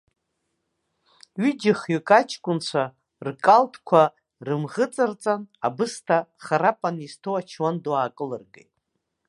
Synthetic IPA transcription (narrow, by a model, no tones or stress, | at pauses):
ɥid͡ʒɪχjʏkʼat͡ʃʰkʷʼʊnt͡ʃʷʰa | rkʼaltʰkʷʰa | rɨmʁət͡sʼɨrt͡sʼanabɨstʰaχaɾapʼanistʰowat͡ʃʰwanduaːkʼɨlɨrɡḛjtʼ